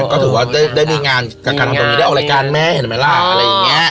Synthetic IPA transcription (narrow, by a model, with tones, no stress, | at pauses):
kɔː˦˥˩t̪ʰɯː˨˦waː˧˩ɗaː˥˩jɗaː˥˩miː˧ŋaː˧nt͡ɕaː˨˩kːaː˧nʰa˧pːi˧˥˧a˥˩ʔla˧jkaː˧nmɛ˦˥he˨˦˩maː˧˩laː˧˥˩ʔa˧ɾa˧jːa˨˩ŋi˦˥ɐə